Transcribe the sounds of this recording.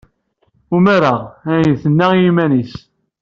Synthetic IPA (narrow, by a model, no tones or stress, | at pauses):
umæɾaʁæjəθənːæʁjimænis